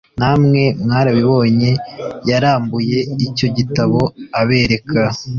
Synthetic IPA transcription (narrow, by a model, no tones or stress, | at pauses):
namŋe̞mŋaːɾaβiβo̞ːɲe̞jaɾaːmbuje̞ico̞ɟitaβo̞aβe̞ːɾe̞kʰa